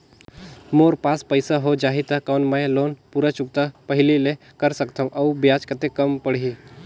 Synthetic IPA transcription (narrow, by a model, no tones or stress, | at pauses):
moɾpaspəjsaɦod͡ʒaɦit̪akawnməjlonpuɾat͡ʃuk̚t̪apəɦilile | kəɾsəkt̪ʰãmʔɐwbjad͡ʒkət̪ekəmpəɽɦi